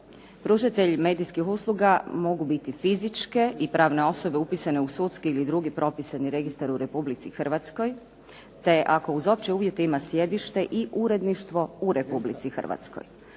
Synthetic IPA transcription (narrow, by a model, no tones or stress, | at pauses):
pɾuʒit̪e̞ʎme̞ːd̪iskixuːslˠuɡamo̞ɡubit̪ifizit͡ʃke̞ʔipɾaːʋne̞o̞so̞beupisane̞usut̪skiilid̪ɾuɡipɾʔo̞pisaniɾe̞ɡist̪aɾuɾe̞publit̪sixr̩ʋat̪sko̞j | t̪e̞ʔako̞uzo̞pt͡ɕeuːʋjet̪eimasje̞d̪iʃt̪e̞ʔiʔuɾe̞d̪niʃt̪ʋo̞uɾe̞publit̪sixər̩ʋa̰t̪sko̞̰j